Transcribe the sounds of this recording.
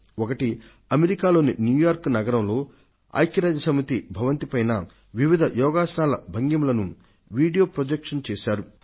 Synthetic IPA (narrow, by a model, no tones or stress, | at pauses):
ɔkɐʈi | ɐmeɾikaːlo̞ːninjuːjaːɾknɐɡɐɾɐmlo̞ː | a̰ːjkjɐɾaːd͡ʒɐsɐmit̪ibʱɐʋɐnt̪ipɐjnɐ | ʋiʋid̪ʱɐjɔːɡaːsɐnaːlɐbʱɐŋɡɐmlɐnu | ʋiːɖijoːpɾod͡ʒekʂɐnt͡ʃeːʃaːɾu